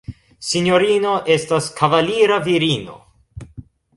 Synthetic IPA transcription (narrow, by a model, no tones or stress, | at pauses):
sinjoɾino̞ʔe̞staskʰavaliɾaviɾino̞̰